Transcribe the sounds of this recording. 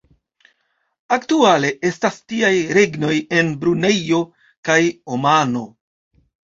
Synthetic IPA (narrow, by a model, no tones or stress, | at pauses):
aktuale̞ʔe̞stastiajɾe̞ɡno̞je̞nbɾune̞jo̞ | kajomano̞